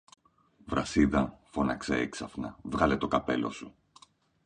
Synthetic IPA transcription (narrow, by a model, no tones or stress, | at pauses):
vɾɐsiðɐfo̞nɐkse̞eksɐfnɐvɣɐle̞t̪o̞kɐpe̞lo̞̰su